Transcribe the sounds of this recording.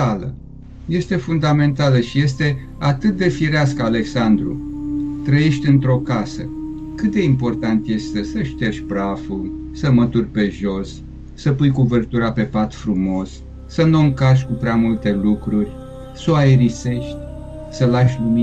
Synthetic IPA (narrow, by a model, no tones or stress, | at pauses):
alə̰ | je̞st̪e̞fund̪ame̞nt̪aləʃije̞s̬t̪e̞ | at̪ɨt̪̚d̪e̞fiɾeaskəale̞ksand̪ɾṵt̪ɾəje̞ʃt̪ʲɨnt̪ɾo̞kasə | kɨt̪̚d̪e̞impo̞rt̪ant̪je̞st̪t̪e̞səʃt̪e̞ʃʲpɾaful | səmət̪urʲpe̞ʒo̞s | səpujkuvərt̪uɾape̞pat̪fɾumo̞s | səno̞ŋkaʃ̬ʲkupɾeamult̪e̞lukɾurʲ | soaeɾise̞ʃt̪ʲ | səlaʃʲlumi